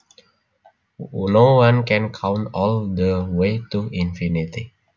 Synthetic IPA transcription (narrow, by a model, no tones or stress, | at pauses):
nowãnkɛ̃nkʰãw̃ntɔldəwet̪uĩnfinit̪i